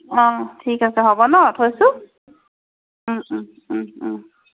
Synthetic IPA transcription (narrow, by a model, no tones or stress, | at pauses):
ɔ̃tʰikasɛɦɔbɔnɔtʰojsʊ